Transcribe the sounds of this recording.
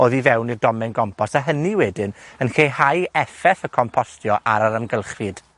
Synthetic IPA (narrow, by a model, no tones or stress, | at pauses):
oːðivɛwnirdɔmɛnɡɔmpʰɔsaɦəniwɛdɪnənkeːhajɛfɛθəkʰɔmpʰɔstjɔʔa̰ɾaɾəmɡəlˠχrɨd̥